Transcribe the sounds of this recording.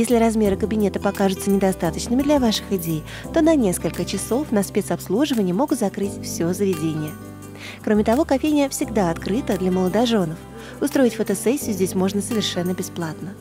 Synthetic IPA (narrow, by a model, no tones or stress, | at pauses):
jesʲlʲɪɾɐzmʲe̞ɾɨkəbʲɪnʲe̞t̪əpɐkaʐɨt̪sənʲɪd̪ɐst̪at̪ət͡ɕnɨmʲɪd̪lʲɐvaʂɨ̥xɪdʲej | t̪o̞nɐnʲe̞skəlʲkət͡ɕɪso̞fnɐspʲet̪sɐpslˠuʐɨvənʲɪjəmo̞ɡʊt̪zɐkɾɨtʲfsʲozəvʲɪdʲenʲɪjə | kɾo̞mʲɪt̪ɐvo̞kɐfʲejnʲɪjəfsʲɪɡd̪aɐt̪kɾɨt̪əd̪lʲɐməlˠəd̪ɐʐo̞nəf | ʊst̪ɾo̞ɪtʲfət̪ɐsɛsʲːɪjʊzʲdʲesʲmo̞ʐnəsəvʲɪrʂɛnːəbʲɪsplˠat̪nə